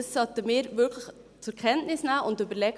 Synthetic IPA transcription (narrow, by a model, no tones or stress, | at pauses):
ssɑt̪ːəmɪːɾvʏɾkʰləx | t͡sʊɾkʰɛntnɪsnaːʔʊndybəɾlɛɡ